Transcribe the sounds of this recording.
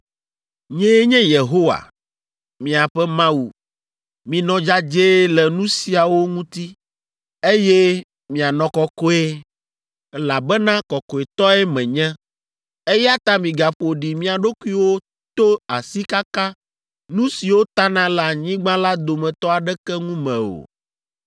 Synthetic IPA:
ɲɛ̃˦ɲɛ̃˦je˨ɦo˦wa̰˨ | mĩ˨a˨ɸɛ˦mã˦u˨ | mĩ˨nɔ̃˨d͡ʒa˦d͡ʒe˦lɛ˨nũ˦si˨a˨wo˦ŋũ˦t̪i˦ | e˦je˦ | mĩ˨a˨nɔ̃˨kɔ˦kɔ˦e˦ | la˨bɛ˦nã˦kɔ˨kɔ˨e˨t̪ɔ˦ɛ˦mɛ̃˨ɲɛ̃˦ | e˦jɛ˦a˦t̪a˦mĩ˨ɡa˨ɸo˨ɖi˨mĩ˦a˨ɖo˦ku˦i˦wo˦ | t̪o˦a˨si˦ka˦ka˦ | nũ˦si˨wo˦t̪a˦nã˦lɛ˨a˨ɲĩ˦ɡ͡bã˦la˦d̪o˨mɛ̃˨t̪ɔ˦a˨ɖɛ˦kɛ˦ŋũ˦mɛ̰̃˨o̰˨

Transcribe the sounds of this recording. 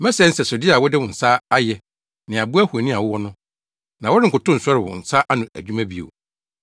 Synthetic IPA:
mɛ̃˦sɛ˦n̩˦sɛ˨so˨di˦a˨wɔ˦dɪ˦wʊ̃˨n̩˨saː˦a˦jɛ˨ | nɪ̃˨a˨bu˦æ˦hu˨æ˨nĩ˦a˨wɔ˦wɔ˦nʊ̃˦ | nã˨wɔ˦ɾɪ˦ŋ̩˨kʊ˨tʊ̃˦n̩˨sɔ˦ɾɪ˨wʊ̰˨n̩˨sa˦ʔa˦nʊ̃˨æ̰˨d͡ʑᶣu˦mã˦bi˦o̰˨

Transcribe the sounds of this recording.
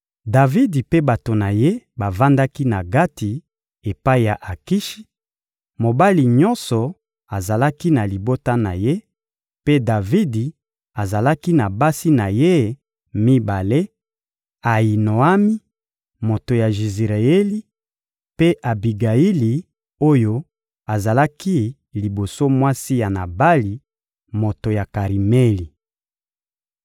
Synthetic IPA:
da˨vi˦di˨pe˦ba˨to˨na˨je˦ba˨va˦nda˦ki˦na˨ɡa˦ti˨ | e˨pa˦i˨ja˨ʔa˨ki˦ʃi̥˦ | mo˨ba˦li˨ɲɔ˦nsɔ˨ | a˨za˨la˦ki˦na˨li˨bo˦ta˦na̰˨je˦ | pe˦da˨vi˦di˨ | a˨za˨la˦ki˦na˨ba˦si˦na˨je˦ | mi˦ba˨le˦ | a˨i˨no˨a˦mi˦ | mo˨to˨ja˨ʒi˨zʁa˨ɛ˦li˦ | pe˦ʔa˨bi˨ɡa˨i˦li˨ | o˦jo˦ | a˨za˨la˦ki˦ | li˨bo˨so˦mwa˦si˦ja˨na˨ba˦li˨ | mo˨to˨ja˨ka˨ʁi˨me˦li˨

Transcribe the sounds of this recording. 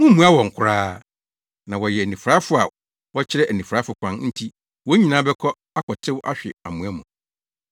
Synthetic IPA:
mũ˦mũ˦a˦wɔ̃˨ŋ̩˨kʰʊ˦ɾaː˦ | nã˨wɔ˨jɛ˨nĩ˨fɾa˦fʊ˨˦a˨ | wɔ˦t͡ɕʰɪ˦ɾɛ˦ʔæ˨nĩ˨fɾa˦fʊ˨kʷʰã˦nn̩˦tʰi˦ | wɔ˦ɲĩ˨nã˦bɛ˦kʰɔ˦ | a˦kʰɔ˨tʰɪ˦wʔa̰˦ɕᶣɪ˨a̰˨mũ˨æ˦mʊ̃˨

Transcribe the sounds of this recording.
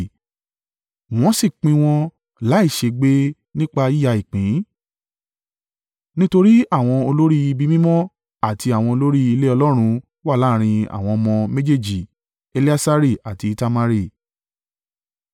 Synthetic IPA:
w̃ɔ̃˦si˦˨k͡pĩ˧w̃ɔ̃˧ | la˨˦i˦˨ʃe˨˧ɡ͡be˦ | nĩ˦k͡pa˧i˦ja˧i˨k͡pĩ˨˦ | nĩ˦to˧ɾi˦a˦˨w̃ɔ̃˧o˧lo˦ɾi˦i˧bi˦mĩ˦mɔ̃˦ | a˦˨ti˧a˨w̃ɔ̃˧o˧lo˦ɾi˦i˧le˦ɔ˧lɔ˦ɾ̃ũ˧ | wa˦˨la˨˦˨ɾ̃ĩ˧a̰˨w̃ɔ̃˧mɔ̃˧mẽ˦d͡ʒe˦˨d͡ʒi˨ | e˧li˦a˦sa˦ɾi˦˨a˨ti˧ta˧ma˧ɾi˦˨

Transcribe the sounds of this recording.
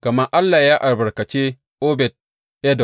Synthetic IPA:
kɐ˨mɐ˦ʔa˦lːaː˨jaː˦ʔa˨rbɐ˨ɽkɐ˨t͡ʃe˦ | ʔoː˦bɛ˨t̚ | ʔɛ˦dɔ˨

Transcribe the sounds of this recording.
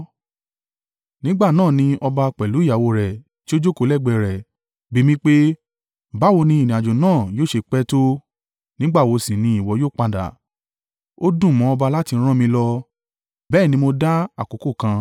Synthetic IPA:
nĩ˦ɡ͡ba˦˨nãː˦˨nĩ˧ɔ˧ba˧k͡pɛ˨lu˨˦ja˨wo˧ɾɛ˨ | ti˦o˦d͡ʒo˦ko˧˦lɛ˦˨ɡ͡bɛ˧˨ɾɛ˨ | bi˨˦mĩ˧k͡pe˦ | ba˨˦˨wo˧nĩ˧˦i˨nĩ˨a˨d͡ʒo˨nãː˦˨joː˦˨ʃe˧k͡pɛ˦to˦ | nĩ˦ɡ͡ba˦˨wo˧sĩ˨nĩ˧˦i˦˨wɔ˨˧joː˦˨k͡pa˧da̰˨ | o˦dũ˦˨mɔ̃˨˦ɔ˧ba˧la˦ti˧˦ɾ̃ã˦mĩ˧lɔ˧ | bɛː˦˨nĩ˧mo˧da˦a˦˨ko˨˦ko˦˨kã˧

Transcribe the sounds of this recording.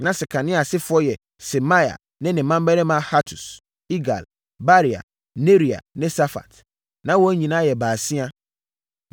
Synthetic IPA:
nã˨˦sɪ˨kʰa˨nɪ̃˦a˨sɪ˦fʊ˨˦ɔ˦jɛ˨ | se˨ma˦ja̰˨ | nɪ̃˦nɪ̃˨mã˦m˦bɛ˦ɾɛ̃˦mã˦ha˦tʰu˨s | i˦ɡa̰˨l | ba˦ɾi˨a̰˨ | ne˦ɾi˨a̰˨nɪ̃˦sa˦fa̰˨t | nã˦wɔ˦ɲĩ˨nã˦jɛ˨baː˨sĩ˦a˦

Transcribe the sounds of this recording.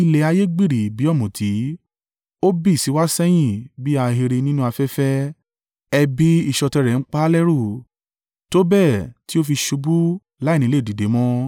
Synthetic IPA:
i˧le˨a˧je˦ɡ͡bi˦˨ɾi˨bi˨˦ɔ˦˨mũ˨tʰi˨˦ | o˦bi˦˨si˨˦wa˦sɛ˦j̃ĩ˦˨bi˦a˧ɦe˧ɾe˧nĩ˦nũ˦a˧fɛ˦fɛ˦ | ɛ˧bi˦i˦˨ʃɔ˧tɛ˧ɾɛ˨n̩˦k͡pa˦lɛ˦ɾu˦˨ | to˦bɛ˦˨ti˦o˦fi˧ʃu˧bu˦ | la˨˦˨nĩ˨˦le˦˨di˨de˨˦mɔ̃˦

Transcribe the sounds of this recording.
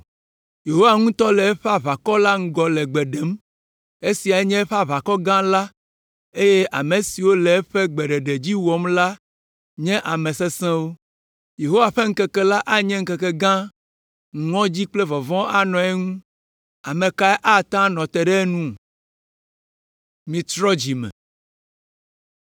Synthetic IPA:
je˨ɦo˦wa˨ŋũ˦t̪ɔ˦lɛ˨ɛ˦ɸa˦βa˨kɔ˦la˦ŋ̩˦ɡɔ˨lɛ˨ɡ͡bɛ˨ɖɛ˨˦m | e˦si˨a˨ɛ˦ɲɛ̃˦ɸa˦βa˨kɔ˦ɡã˦la˦ | e˦je˦ʔa̰˨me˨si˨wo˦lɛ˨ɛ˦ɸe˦ɡ͡bɛ˨ɖɛ˨ɖe˨d͡ʑi˦wɔ˨mla˦ | ɲɛ̃˦ʔa˨mẽ˨se˦sɛ̃˦wo˦ | je˨ɦo˦wa˨ɸe˦ŋ̩˦kɛ˦kɛ˦la˦ʔa˦ɲɛ̃˦ŋ̩˦kɛ˨kɛ˦ɡã˦ | ŋ̩˨ŋɔ̃˦d͡ʑi˦k͡plɛ˦vɔ˨vɔ̃˦a˦nɔ̃˨ɛ˦ŋũ˦ | a˨mẽ˨ka˦ɛ˦ʔa˦t̪ã˦nɔ̃˨t̪ɛ˨ɖɛ˦nũ˦˨ | mĩ˨t̪ɾɔ˦d͡ʑi˨mɛ̰̃˨

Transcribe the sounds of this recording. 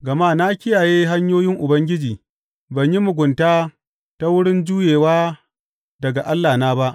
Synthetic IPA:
ɡɐ˨maː˦na˦kʲɪ˦jaː˨jeː˦ɦa˦ɲjoː˦jɪ˦ŋʔʊ˨bɐ˦ŋɡʲɪ˦d͡ʒiː˨ | bɐ˨ɲji˦mʊ˨ɡʷʊ˨ntaː˦ | ta˦wʊ˦ɽɪ˦nd͡ʒuː˦jeː˨waː˦ | dɐ˨ɡa˨ʔa˦lːaː˨naː˦ba˦ʔ

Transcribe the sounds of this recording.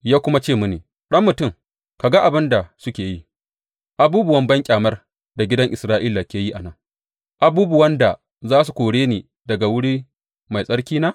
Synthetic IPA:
jaː˦kʷʊ˦ma˦t͡ʃeː˦˨mʊ˦neː˨ | ɗɐ˦mːʊ˨tʊ˦ŋ | ka˨ɡa˦ʔa˨bɪ˦nda˨sʊ˦kʲeː˨ji˦ | ʔa˨buː˦bʊ˨wɐ˦mbɐ˦ŋkʲʼaː˨mɐ˦r | da˨ɡʲɪ˦dɐ˦ŋʔɪ˨sɾaː˦ʔi˦la˨kʲeː˦ji˦ʔa˨nɐ˦˨ŋ | ʔa˨buː˦bʊ˨wɐ˦nda˨ | zaː˦s̬u˨kʷoː˨ɽeː˦niː˨ | dɐ˨ɡa˨wʊ˦ɽiː˦ | ma˨jsʼɐ˦ɽkʲiː˦naː˦

